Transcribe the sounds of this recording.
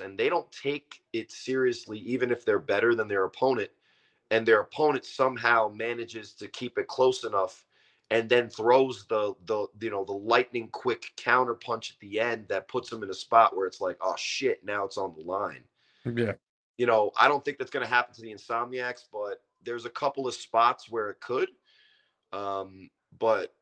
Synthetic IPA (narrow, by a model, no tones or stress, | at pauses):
ɨ̃nðeɪɾõʊ̃ntʰeɪkɪtsɪɹiɨsliʔivɨ̃nɨfðə˞bɛɾə˞ðɨ̃nðə˞əpʰõʊ̃nɨ̃nt̚ | ɨ̃nðə˞əpʰõʊ̃ñɨ̃ntsʌ̃mɦaʊmænɨd͡ʒɪz̥tʰɨkʰipɨt̚kʰl̥oʊsənʌf | ɨ̃nðɨ̃nθɹoʊzðəðəjɨnoʊðəlaɪʔⁿnɪ̃ŋkʰw̥ɪkʰãʊ̃ɾ̃ə˞pʰʌ̃nt͡ʃɨ̥t̪̚ðiɛ̃nðɨt̚pʰʊtsðə̃mɨ̃nəspɑʔwə˞ɨtslaɪkɔ̰ʃɪtⁿnaʊətsn̩ðəlãɪ̃n | j | jɨñoʊʔaɪɾõʊ̃nθɪ̃ŋk̚ðætsɡ̥ʌñɨɦæpn̩tʰɨðiɨ̃nsɑmiæksb̥ʌt̪̚ðə˞zɨkʰʌpl̩ˠʌv̥spɑtswə˞ɨt̚kʰəd̚ | ʌ̃m | b̥ʌt̚